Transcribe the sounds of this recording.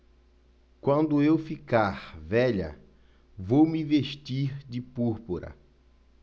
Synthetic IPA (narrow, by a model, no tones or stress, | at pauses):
kwɐ̃nd̪ʊewfikaɾvɛʎɐ̰ | vowmɪveʃt̪iɾd͡ʒɪpuɾpuɾɐ̰